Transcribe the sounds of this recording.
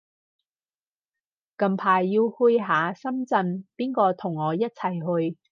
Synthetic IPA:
kɐ˨˧mpʰaː˨˩jːi˧whu˧jɦaː˨˧sɐ˥mt͡sɐ˧npiː˥nkɔː˧t̪ʰʊ˨˩ŋːɔː˨˧jɐ˥t̚t͡sʰɐ˨˩jɦɵ˧ɥ

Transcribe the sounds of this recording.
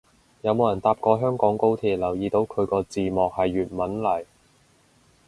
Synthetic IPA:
jɐ˨˧wmo˨˧wjɐ˨˩nt̪aː˧p̚kɔː˧ɦœː˥ŋkɔː˨˥ŋko˥wt̪ʰiː˨˩t̚lɐ˨˩wjiː˨˧t̪o˨˥wkʰɵ˨˧ɥkɔː˧t͡siː˨mɔː˨k̚hɐ˨jːyː˨t̚mɐ˨˥nlɐ˨˩j

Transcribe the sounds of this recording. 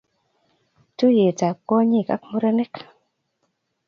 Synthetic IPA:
tu˦je˨ta˨kːɔ˦ɲi˦˨ka̰˦k̚mu˦ɾe˦nɛ˦k

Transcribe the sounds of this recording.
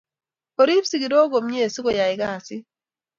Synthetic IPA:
o˨ɾi˦psi˦ɡi˨ɾo˦ɡo˨mɲe˦˨si˦ko˦˨ja˨ɪ˨ɡa˦˨sɪ˦

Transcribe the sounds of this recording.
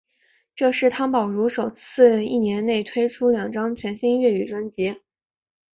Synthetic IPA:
ʈ͡ʂɤ˥˧ʂɻ̩˥˩t̪ʰa˥npɑ˨˩ʊɻu˧˥ʂo˨˩ʊt͡sʰɹ̩˥˧i˥˩njɛ˧˥nne˥˩ɪt̪ʰwe˥ɪʈ͡ʂʰu˥ljɑ˨˩ŋʈ͡ʂɑ˥ŋt͡ɕʰɥɛ˧˥nɕi˥ŋɥɛ˥˩y˨˩ʈ͡ʂwə˥nt͡ɕɛ˧˥

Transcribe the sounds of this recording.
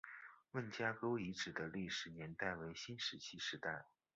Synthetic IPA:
wə˥˩nt͡ɕja˥ko˥ʊi˧˥ʈ͡ʂɻ̩˨˩d̪ə˦li˥˩ʂɻ̩˨˩njɛ˧˥nt̪a˥˩ɪwe˧˥ɪɕi˥nʂɻ̩˧˥t͡ɕʰi˥ʂɻ̩˧˥t̪a˥˩ɪ

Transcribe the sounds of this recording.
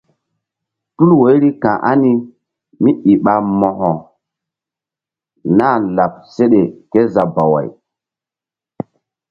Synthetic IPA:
tu˦lwo˨˦jɾi˦kã̰˨ʔa˦ni˦ | mi˦ʔi˨ɓa˨mɔ̃˨hɔ˨ | na˦˨la˨p̚se˦ɗe˨ke˦za˨ba˨wa̰˨j

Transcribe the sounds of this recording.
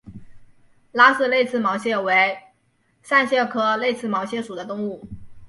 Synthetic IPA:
la˥sɹ̩˥˧le˥˧ɪt͡sʰɹ̩˥˩mɑ˧˥ʊɕjɛ˥˩we˧˥ɪ | ʂa˥˧nɕjɛ˥˩kʰɤ˥le˥˧ɪt͡sʰɹ̩˥˩mɑ˧˥ʊɕjɛ˥˩ʂu˨˩d̪ə˦t̪ʊ˥˧ŋu˥˩

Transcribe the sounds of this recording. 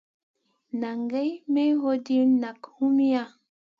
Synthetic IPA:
na˨ŋɡe˦jme˦ɦo˦di˦ɾna˨khu˦mi˦a˦

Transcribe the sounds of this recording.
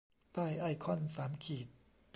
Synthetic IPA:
t̪aː˥˩jʔa˧˩kʰɔ˧˥˨nsaː˩˦mkʰiː˨˩t̪̚

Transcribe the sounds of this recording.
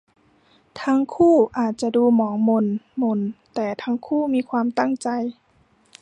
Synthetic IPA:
t̪ʰa˧˥ŋkʰuː˥˩ʔaː˨˩t̪̚t͡ɕa˧duː˧mɔː˩˦ŋmo˧˥nmo˧˥nt̪ɛː˨˩t̪ʰaː˧˥ŋkʰuː˥˩miː˧kʰwaː˧mt̪a˥˩ŋt͡ɕa˧j

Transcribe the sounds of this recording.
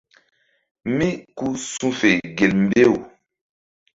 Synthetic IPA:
mĩ˦ku˦sũ˦fe˨ɡe˨lm̩˦be˦˨wu˨

